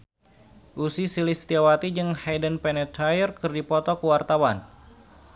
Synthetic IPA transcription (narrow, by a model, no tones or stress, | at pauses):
ʔusisilist̪iawat̪id͡ʒɨŋhajdənpɛnɛt̪ajərkɨrdipɔt̪ɔkəwart̪awan